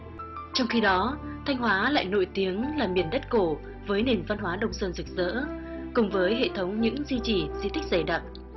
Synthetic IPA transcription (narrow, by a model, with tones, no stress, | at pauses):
t͡ɕɔ˧wŋ͡mxi˧ɗɔ˨˦t̪ʰa˧jŋ̟ɦwaː˨˦la̰ː˧˨jno̰˧˥jt̪i˨˦əŋlaː˨˩mi˨˩ənɗə˦˥t̚ko˧˩ | vəː˨˦jne˨˩nva˧nhɦwaː˨˦ɗə˧wŋ͡msəː˧nzɨ˨˩k̚zə̰ː˧˥ | kʊ˨˩ŋ͡mvəː˨˦jɦḛ˧˨t̪ʰə˨˦wŋ͡mɲɨ̰˧˥ŋzi˧t͡ɕi˧˩zi˧t̪ʰï˦˥k̟̚za˧˩jɗaː˨˩p̚